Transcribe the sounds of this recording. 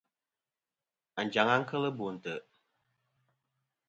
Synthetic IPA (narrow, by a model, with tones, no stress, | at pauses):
a˨n̩˨d͡ʒa˨ŋa˦ŋ̩˦kə˦lə˦bu˨n̩˨tə˨ʔ